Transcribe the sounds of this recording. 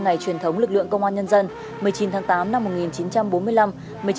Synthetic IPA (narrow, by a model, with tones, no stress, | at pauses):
ŋa˨˩jt͡ɕwi˨˩ənt̪ʰə˨˦wŋ͡mlɨ˨˩k̚lɨ̰˧˨əŋkə̰˧wŋ͡mʔaː˧nɲə˧nzə˧n | mɨ˨˩əjt͡ɕi˨˦nt̪ʰaː˨˦ŋt̪aː˨˦mna˧mːo˨˩t̚ŋi˨˩nt͡ɕi˨˦nt͡ɕa˧mɓo˨˦nmɨ˧əjla˧m | mɨ˨˩əj